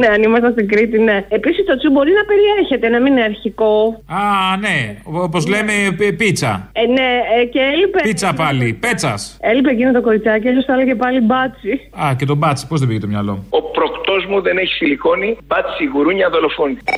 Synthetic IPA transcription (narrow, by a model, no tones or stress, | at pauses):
neɐnimɐst̪ɐst̪iŋɡɾit̪ine̞episist̪ot͡subo̞ɾiznɐpe̞ɾieɾçe̞t̪e̞nɐmineɐɾçiko̞ɐneoopozlemepit͡sɐ̰ne̞ceelipeit͡sɐpɐlipe̞t͡sɐse̞lipecinɐt̪oko̞ɾit͡sɐcies̬ost̪ɐlɐʝe̞pɐlibɐt͡siɐcet̪o̞bɐt͡si̥po̞zðebiʝet̪omɲɐlo̞̰uo̞pɾokt̪o̞zmuðe̞ne̞çi̥filiko̞nibɐt͡si̥siɣuɾuɲɐðo̞lo̞foni